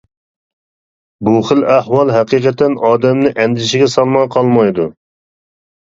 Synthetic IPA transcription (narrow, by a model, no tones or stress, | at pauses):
buχəlæhwɑlˠɦɛqiːqət̪ʰɛnɑːd̪ɛmnɪʔɛnd̪ɪʃɪɡʲɛsɑlˠmɑqʰɑlˠmɑjd̪u